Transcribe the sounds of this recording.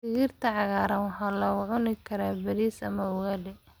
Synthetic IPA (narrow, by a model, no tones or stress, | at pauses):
sɪɣiːrt̪ʰɐʕɑɣaːɾɐnwɑħɑːlɔʕʊnɪkʰɐɾaːbɐɾiːsɐ̰mɐʊwɐːlɛ